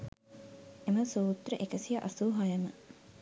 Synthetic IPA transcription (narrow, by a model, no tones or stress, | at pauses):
eməsuːt̪rəʔekəsijɐʔɐsuːɦɐjəmə